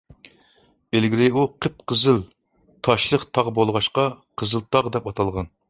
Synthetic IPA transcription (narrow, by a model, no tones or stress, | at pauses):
belɡʲiɾɪuqʰəp̚qəzɨl | t̪ʰɑʃlˠəqt̪ʰɑʁbolˠʁɑʃqɑqʰəzɨlˠt̪ʰɑʁd̪ɛpɑt̪ʰɑlˠʁɑn